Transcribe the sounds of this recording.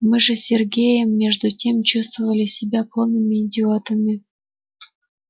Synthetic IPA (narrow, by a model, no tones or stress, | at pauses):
mɨʐɘ̆sʲerɡʲejəmːʲeʐd̪utʲemt͡ɕust̪vəvəlʲɪsʲibʲæpʰolˠnəmʲenʲdʲiot̪əmʲe